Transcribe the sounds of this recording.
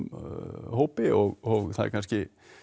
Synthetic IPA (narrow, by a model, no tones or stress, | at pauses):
howpɪʔɔɣɔɣθað̰ɾkʰanscɪ